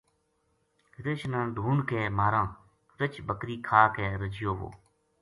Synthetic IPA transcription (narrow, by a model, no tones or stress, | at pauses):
ɾeːʃnãːɖʱuːɳkeːmaːɾãː | ɾət͡ʃɓəkɾiːkʰaːkeːɾəd͡ʒɪjoːʋo̰ː